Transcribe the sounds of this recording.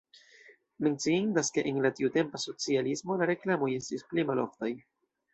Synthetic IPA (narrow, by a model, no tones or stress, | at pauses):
me̞nt͡siindaske̞ʔenlatiute̞mpaso̞t͡sialismo̞laɾe̞klamo̞je̞stisplimalo̞̰ftaj